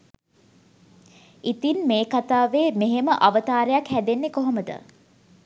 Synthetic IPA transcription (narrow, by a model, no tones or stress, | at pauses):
it̪inmeːkat̪aːʋeːmeɦeməʔaʋət̪aːɾəjakhæd̪enːekoɦoməd̪ə̰